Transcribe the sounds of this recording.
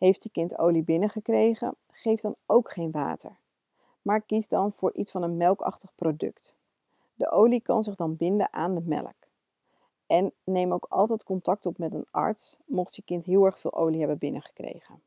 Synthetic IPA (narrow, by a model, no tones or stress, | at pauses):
ɦejftjəkɪnto̰wlibɪnəχəkrejχə̰ | χejfd̥ɑnowkχejnʋa̰ːtə̰ɹ | maːɹkizdɑnv̥ʊːɹʔitsfɑnənmɛlˠkɑ̰χtəχprowdɵ̰kt | də̰ʔowlikɑ̰nzɪχdɑnbɪndə̰nʔaːndəmɛ̰lə̰k | ɛnːejmowkɑ̰lˠtɛtkɔntɑk̚tɔpmɛtənɑ̰ɹtsmɔχtjəkɪntɦɪːlˠɛɹχfɪ̰ːlˠʔo̰wliɦɛbəbɪnəχə̥krḛjχən